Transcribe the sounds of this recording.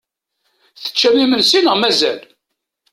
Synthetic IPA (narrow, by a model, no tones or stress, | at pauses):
θə̥t͡ʃːæmimənsinəʁmæzæ̰l